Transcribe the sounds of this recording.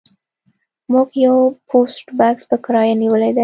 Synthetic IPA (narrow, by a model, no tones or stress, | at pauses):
muɡjawpʰosʈbakspəkɾɑjaniwəled̪a